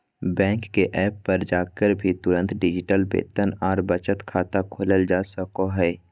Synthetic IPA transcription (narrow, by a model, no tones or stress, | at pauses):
bɛ̃ːŋkːeʔɛːpːɐɾd͡ʒaːkəɾbʱit̪ʊɾə̃nt̪ɖɪd͡ʒɪʈəlbḛːt̪ənɔːɾbət͡ʃət̪kʰaːt̪akʰoːləld͡ʒaːsəkoɦɛː